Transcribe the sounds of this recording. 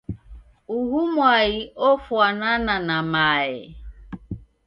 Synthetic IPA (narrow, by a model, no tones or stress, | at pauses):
uɦumwaɣiʔofwanananamaɪ̰